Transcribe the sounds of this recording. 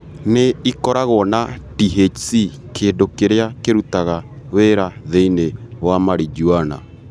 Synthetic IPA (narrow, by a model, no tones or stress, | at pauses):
neikɔɾaɣɔnatiɦesi | kʰeːndokeɾeakeɾutaɣaweɾaðeinewamaɾid͡ʒuana̰